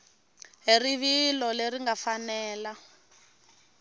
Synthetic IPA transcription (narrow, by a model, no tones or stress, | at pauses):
ɦiriβilɔleriŋɡafanɛːla